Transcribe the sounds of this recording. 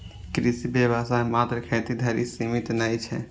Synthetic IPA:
kɾisibebasamat̪ɾəkʰet̪id̪ʱaɾisimit̪najt͡ʃʰɛ

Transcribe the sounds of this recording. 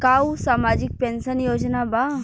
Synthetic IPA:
kausaːmad͡ʑik̚pẽnsənjod͡ʑnaba

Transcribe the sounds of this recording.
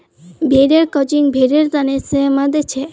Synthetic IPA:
bʱeɾeɾkɔd͡ʒiŋbʱeɾeɾt̪anesemad̪et͡ʃʰe

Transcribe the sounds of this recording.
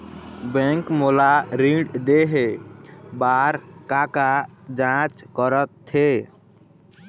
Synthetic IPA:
bɛ̃ŋkmolaɾiɖd̪eɦe | baɾkakad͡ʒãt͡ʃkəɾət̪ʰːe

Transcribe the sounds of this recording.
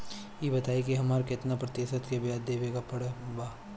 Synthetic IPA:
jeːbɐt̪aːikiɦɐmaːɾkɪt̪napɾɐt̪eʃət̪kebjaːd̪eːʋeːɡapɐɽebaː

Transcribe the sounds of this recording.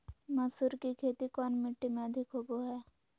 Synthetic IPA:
mɐsuɾkikʰeːt̪ikɔːnmɪʈːimẽəd̪ʱɪkɦoboɦɛː

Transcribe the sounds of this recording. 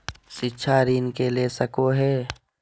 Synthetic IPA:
sɪtːʃʰaɾiːnkeleːsəkoɦɛː

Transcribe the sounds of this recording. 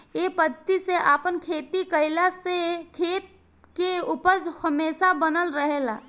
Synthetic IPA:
eːpəd̪t̪iseʔaːpənkʰeːt̪ikəɪlasekʰeːt̪̚ | keupəɾd͡ʒhəmeːsabənəlɾəɦeːlaː

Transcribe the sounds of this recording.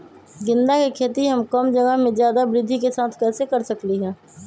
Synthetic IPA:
ɡɪ̃nd̪akekʰeːt̪iɦəmkəmd͡ʒəɡaɦmẽzjaːd̪abɾɪd̪ʱːikesaːt̪ʰkɛːsekəɾsəkliɦɛ̃ː

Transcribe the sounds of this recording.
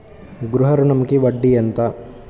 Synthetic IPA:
ɡɾuɦɐɾunɐmɐkeʋɐɖːijɐnt̪ɐ

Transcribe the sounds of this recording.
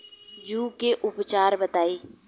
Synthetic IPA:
d͡ʒuːkeʔʊpt͡ʃaːɾbət̪aːiː

